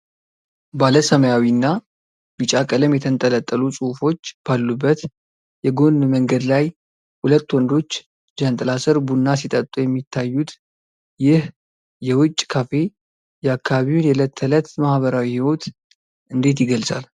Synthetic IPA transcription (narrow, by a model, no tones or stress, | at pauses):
baləsəməjawinːa | bɨt͡ʃʼakʼələmjɛt̪ʰənt̪ʼələt̪ʼːəlusʼufo̞t͡ʃːb̥alːubːət̪ | jɛɡo̞nməŋɡəd̪laj | hulət̪ːwɔnd̪o̞t͡ʃː | d͡ʒant̪ʼəlasɨɾbunːas̬it̪ʼət̪ʼujɛmːit̪ʰːajːut̪ | jɪh | jɛwʊt͡ʃʼːkʰafe̞ | jɛakʰːaβaβiwjɛlət̪ʰːələt̪mahβəɾawihiwo̞t̪ | ʔɨnd̪e̞t̪jɪɡəlsʼal